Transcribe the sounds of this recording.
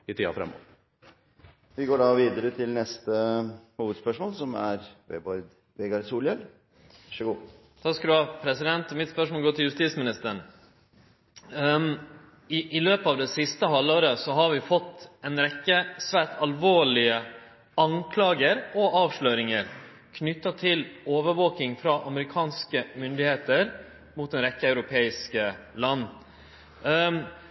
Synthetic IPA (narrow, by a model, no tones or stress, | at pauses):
ɪt̪ʰiːɑ̰fɾɛ̰mːo̰ːʋ | ʋɪɡoːɖɑʋiːd̪əɾət̪ʰɪlnɛst̪əhuːʋəd̪spœʂmoːlsɔmæ̰ɾʋḛːbɔɾd̪ | ʋɛɡɑɾsuːljɛl | ʋɑʂəɡuː | t̪ʰɑkskɑd̪ʉhɑːpʰɾɛsɪd̪ɛnt̪ɔmɪt̪spœʂmoːlɡoːt̪ʰɪljʉst̪iːsmɪnɪst̪əɳ | ɪʔɪløːpəɑːʋd̪ɛsɪst̪əɦɑlːoːɾəsɔɦɑɾʋɪfɔt̪ːɛnɾɛkːəsʋæːʈɑlʋoːɭɪə | ɑŋkʰlɑːɡəɾɔʔɑːʋʂɭøːɾɪŋəɾ | kʰnʏt̪ːɑt̪ʰɪloːʋəɾʋoːkɪŋfɾɑʔɑməɾɪkʰɑːnskəmʏnd̪ɪheːt̪əɾ | mʊt̪̚d̪ɛnɾɛkːəɑʉɾʊpʰeːɪskəlɑnː